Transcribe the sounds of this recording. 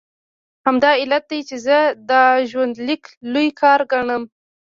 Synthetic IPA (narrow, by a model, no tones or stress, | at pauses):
hamd̪ɑɪlat̪̚d̪ajt͡ʃezəd̪əʒwand̪lɪklujkʰɑɾɡaɳəm